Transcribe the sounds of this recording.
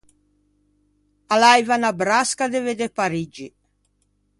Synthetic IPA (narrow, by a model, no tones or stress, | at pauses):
alajvanabɾaskad̪eved̪epaɾid͡ʒi